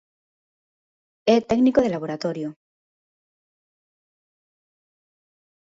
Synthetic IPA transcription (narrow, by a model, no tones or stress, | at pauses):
et̪ɛɡnikoð̞elaβ̞oɾat̪oɾjo